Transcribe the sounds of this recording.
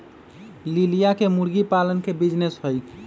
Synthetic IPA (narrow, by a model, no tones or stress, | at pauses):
lilijakemuɾɡipalənkebid͡ʒnesɦoj